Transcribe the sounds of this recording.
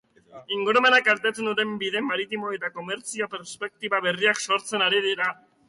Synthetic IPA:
iŋɡuɾomenakaɾt̪et̪unuɾe̞mbiðe̞maɾit̪imo̞e̞t̪ako̞me̞ɾt͡sio̞pe̞ɾspe̞k̚t̪iβaβe̞riakso̞ɾt͡se̞naɾiðiɾa

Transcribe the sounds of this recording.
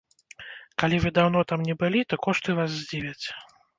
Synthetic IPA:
kalʲivɨd̪awn̪ɔt̪amnʲɛbɨlʲit̪ɔkɔʂt̪ɨvas̬zʲd͡zʲivʲɐt͡sʲ

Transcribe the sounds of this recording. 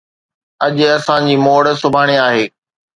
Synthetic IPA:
ɐʄɐsãd͡ʑiːmoːɽəsʊbʱaːɽ̃eaːɦeː

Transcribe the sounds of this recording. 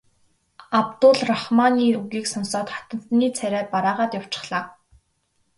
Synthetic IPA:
ap̚t̪ʊɮrɔχmaniːuɣiːksɔnsɔːt̪χḁt̪ə̆n̥t̪niːt͡sʰæɾʲæːpaɾaːʁaːt̪jaw̥t͡ɕɪ̥̆χɮ̥aː

